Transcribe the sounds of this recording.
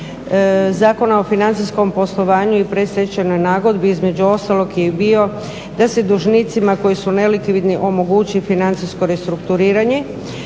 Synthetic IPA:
zaːko̞nao̞finant̪sisko̞mpo̞slˠo̞ʋaːɲuipɾe̞sɾet͡ɕano̞jnaːɡo̞d̪biizme̞d͡ʑuo̞st̪alˠo̞kjebio̞ | d̪ase̞d̪uʒnit̪simako̞jisunelikʋid̪niʔo̞mo̞ɡut͡ɕifinant̪sisko̞ɾe̞st̪ɾukt̪uɾiːɾaɲe̞

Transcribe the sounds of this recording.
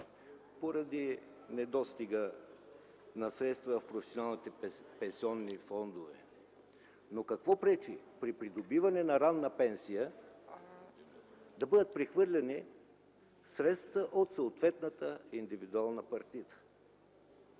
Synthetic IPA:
poɾɐd̪i | nɛd̪ɔst̪iɡə | nɐsɾɛt̪st̪vəfpɾofɛ̥sionalˠnit̪ɛpɛnsiɔnːifɔnd̪ovɛ̰ | nokɐkvɔpɾɛt͡ʃipɾipɾid̪obivɐnɛnɐɾanːəpɛnsijə | d̪ɐbɤd̪ət̪̚pɾɛxvɤɾlʲɛni | sɾɛt̪st̪vəʔot̪soːt̪vɛt̪nət̪əind̪ivid̪ualˠnəpɐɾt̪it̪ə̥

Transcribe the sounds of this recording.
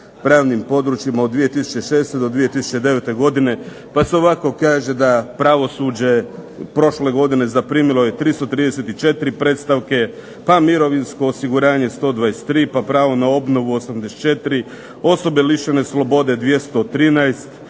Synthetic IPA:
pɾaːʋnimpo̞d̪ɾut͡ʃjimao̞d̪d̪ːʋije̞t̪isu̥t͡ɕe̞ʃe̞ːst̪ed̪od̪ʋije̞t̪isu̥t͡ɕe̞d̪e̞ʋe̞t̪e̞ɡo̞d̪ine̞ | pase̞o̞ʋako̞kaːʒe̞d̪apɾaʋo̞sud͡ʑe̞ | pɾo̞ʃle̞ɡo̞d̪ine̞zapɾiːmilˠo̞je̞t̪ɾist̪ot̪ɾiːd̪e̞se̞t̪it͡ʃe̞t̪iɾipɾe̞ːt̪st̪aʋke̞ | pamiɾo̞ʋinsko̞ːsiɡuɾaːɲe̞st̪o̞d̪ʋaːjest̪ːɾiːpapɾaːʋo̞nao̞bno̞ʋuosamd̪ese̥t͡ʃe̞t̪iɾi | o̞so̞be̞liʃeneslˠo̞bo̞d̪e̞d̪ʋje̞st̪ot̪ɾiːnajst̪

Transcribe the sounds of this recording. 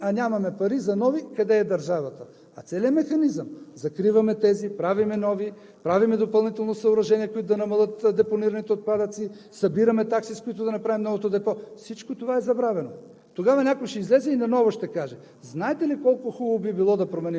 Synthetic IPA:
ɐnʲamɐmɛpɐɾizɐnɔvikɐd̪ɛːd̪ɐɾʒavɐt̪ə | ɐ̰t̪sɛliəmɛxɐnizəmzɐkɾivɐmɛt̪ɛzipɾavimɛnɔvi | pɾavimɛd̪opɐlˠnit̪ɛlˠnosɐoɾɐʒɛniɛkoit̪ʊd̪ɐnɐmɐlˠət̪d̪ɛponiɾɐnit̪ɛot̪̚pad̪ət̪si | sɐbiɾɐmɛt̪aksiskoit̪ʊd̪ɐnɐpɾavimnɔvot̪od̪ɛpɔfsit͡ʃkot̪ovaɛzɐbɾavɛno | t̪oɡavɐnʲakojʃɛizlɛzɛinɐnɔvoʃt̪ɛkaʒɛ | znaɛt̪ɛlikɔlˠkʊxubobibilˠɔd̪ɐpɾomɛnim

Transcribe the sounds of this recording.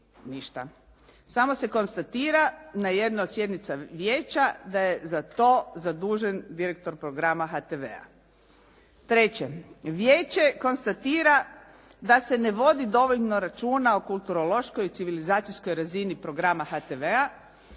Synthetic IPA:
niʃt̪a̰ | samo̞se̞ko̞nst̪at̪iːɾanaje̞d̪naod̪sje̞d̪nit̪saʋjeːt͡ɕad̪ajezat̪o̞ːzad̪uːʒend̪iɾek̚t̪o̞ɾpɾo̞ɡɾamaxat̪eʋḛa̰ | t̪ɾe̞t͡ɕe̞ʋjeːt͡ɕe̞ko̞nst̪at̪iːɾa | d̪ase̞ne̞ʋo̞d̪id̪o̞ʋo̞ʎno̞ɾat͡ʃuːnaokulˠt̪uɾo̞lo̞ʃkojt̪siʋilizaːt̪sijsko̞jɾazinipɾo̞ɡɾamaxat̪eʋea

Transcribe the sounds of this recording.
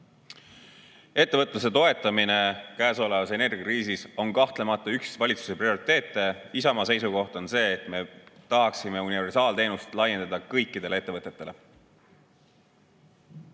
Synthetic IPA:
e̞t̪ːevɤt̪ːˑluse̞t̪o̞e̞t̪ːˑɑmine̞kæːso̞le̞vɑse̞ne̞rɡ̥ʲjɑkiːsiso̞nkɑht̪le̞mɑt̪ːˑɑyksvɑlʲit̪su̥se̞prio̞ɾit̪ˑe̞ːt̪ˑːe̞isɑmɑse̞js̬uko̞ht̪o̞nse̞ːt̪me̞t̪ɑɦɑksime̞unive̞rsɑːlt̪eːnust̪lɑjend̪ed̪ɑkɤjkːˑid̪̥e̞leet̪ːvɤt̪ːˑe̞t̪ːˑe̞le̞

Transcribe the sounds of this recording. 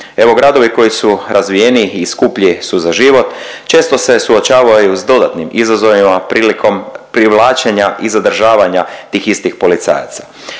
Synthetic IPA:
e̞ʋo̞ɡɾaːd̪o̞ʋiko̞jisuɾʔazʋije̞niiskupʎisuzaʒiʋo̞t̪t͡ʃe̞st̪o̞se̞suot͡ʃaːʋajuzd̪o̞d̪at̪nimizazo̞ʋimapɾilikʰo̞mpɾiʋlˠaːt͡ʃeɲaʔizad̪r̩ʒaːʋaɲat̪iːxist̪ixpo̞lit̪sa̰ja̰t̪sḁ

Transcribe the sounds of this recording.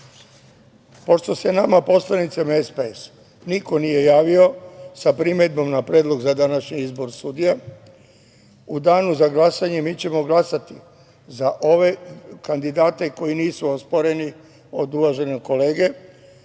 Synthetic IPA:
po̞ʃt̪o̞se̞namapo̞slˠanit̪samaespees | niko̞nije̞jaːʋiosapɾimed̪̚bo̞mnapɾe̞ːd̪lˠo̞ɡzad̪anaʃɲiizbo̞ɾsud̪ije | ud̪aːnuzaɡlasaɲe̞miːt͡ɕe̞mo̞ɡlˠasat̪i | zaʔo̞ʋe̞kand̪id̪aːt̪e̞ko̞iniːsuo̞spo̞ɾe̞ni | o̞d̪uʋaʒe̞neko̞le̞ːɡe̞

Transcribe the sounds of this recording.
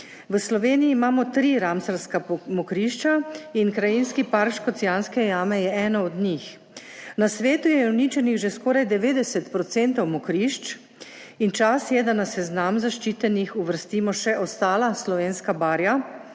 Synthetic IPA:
ʋəslɔʋeːniiːmaːmɔt̪ɾiɾamsaɾskamɔkɾiʃt͡ʃainkɾajinskipaɾkʃkɔt̪sijanskɛjaːmɛjɛɛːnɔɔd̪ɲix | nasʋeːt̪ujɛunit͡ʃɛniɣʒeskɔːɾajd̪ɛʋeːd̪ɛsɛt̪pɾɔt̪sɛnt̪ɔwmɔkɾiʃt͡ʃ | int͡ʃasjɛd̪anasɛznamzaʃt͡ʃiːt̪ɛnixuʋəɾst̪iːmɔʃɛʔɔst̪aːlaslɔʋeːnskabaːɾja

